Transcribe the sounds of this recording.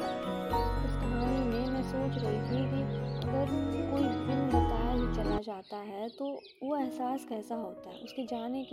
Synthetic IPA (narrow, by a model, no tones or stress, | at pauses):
ɪst̪aːnimẽmɛ̃ːsoːt͡ʃɾɐɦit̪ʰikiɐɡəɾkoːib̪ɪnbɐt̪aːɦit͡ʃɐlad͡ʒaːt̪aɦɛt̪o | ʋoɛɦsaːskɛːsaɦoːt̪aɦɛ̰ʊsked͡ʒaːnek